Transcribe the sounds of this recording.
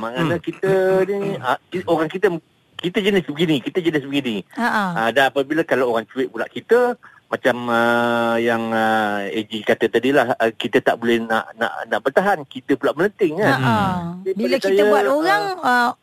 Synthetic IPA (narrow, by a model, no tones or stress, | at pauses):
maŋanakit̪əniəkioɾaŋkit̪ə | kit̪əd͡ʒənɪsbəɡinikit̪əd͡ʒənɪsbəɡinĩəʔədanapəbiləkalaoɾaŋt͡ʃuɪʔbulaʔkit̪ə | mat͡ʃaməjaŋəed͡ʒikat̪ət̪adilahkit̪ət̪a̰ʔbolɛhna̰ʔna̰ʔnaʔbərt̪aɦankit̪əpulaʔmələnt̪ɪŋandibialəkajəbuat̪oɣaŋə